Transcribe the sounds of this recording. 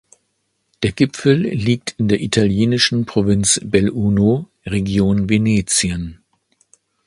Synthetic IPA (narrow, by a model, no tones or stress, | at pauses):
d̥eːɐɡɪpfl̩liːk̚tʰɪndeːɐʔitʰaljeːnɪʃn̩pʁ̥ovɪnt͡sbɛlʔuːno | ʁeɡjoːnveneːt͡sjən